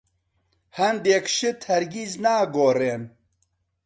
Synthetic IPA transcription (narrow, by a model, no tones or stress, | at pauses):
hɐnd̪eːkʃɪt̪ʰhɛɾɡiːznaːɡoːreːn